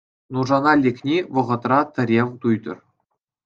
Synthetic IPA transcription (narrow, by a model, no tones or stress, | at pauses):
nuʐɑnɑlʲeknʲiʋɤ̆ʁɤ̆t̪rɑt̪ɘ̆ɾʲewt̪ujd̪ɤ̆r